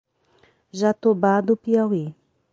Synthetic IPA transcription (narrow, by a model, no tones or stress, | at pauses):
ʒat̪obad̪upiawi